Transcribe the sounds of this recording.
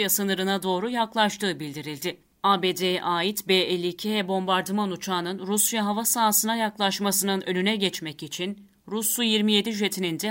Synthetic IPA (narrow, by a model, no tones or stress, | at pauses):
jasɯnɯɾɯnad̪o̞ːɾujaklˠaʃt̪ʰɯːbilʲd̪iɾilʲd̪ɪ | aːbeːd̪eʔaːjit̪beːelʲːiːcʰiɦɛbo̞mbaɾd̪ɯmanut͡ʃʰaːnɯnɾusjaɦavasaːsɯnajaklˠaʃmasɯnɯnø̞̰lʲynɛɟɛt͡ʃmɛcit͡ʃʰin | ɾuslˠujiɾmije̞d̪iʒe̞t̪ʰinind̪ɛ